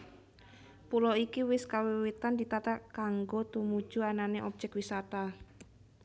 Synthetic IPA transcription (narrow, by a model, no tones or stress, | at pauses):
pulɔikiwɪskawiwit̪and̪it̪at̪akaŋɡot̪umud̥ʒ̥uananeʔɔb̥̚d͡ʒɛkwisat̪a